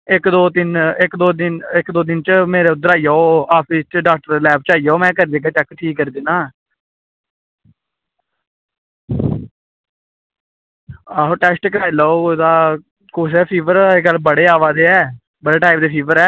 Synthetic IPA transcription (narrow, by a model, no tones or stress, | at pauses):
ɪkd̪oːt̪ɪnɪkd̪oːd̪ɪnɪkd̪oːd̪ɪnt͡ʃmeːɾeːʊd̪əɾaːijaːoːaːpʰɪst͡ʃəɖaːk̚ʈɾlɛːp̚t͡ʃaːijaːoːmɛ̃ːkəɾd̪eːɡaːt͡ʃɛkːʈʰiːkːəɾd̪eːnaː | aːʈɛːsʈkəɾaːilaːoːd̪aː | kʊsɛːpʰiːʋəɾeɡəlbəɽeːaːʋaːd̪eːɛː | bəɽeːʈaːɪp̚d̪eːpʰiːʋəɾɛː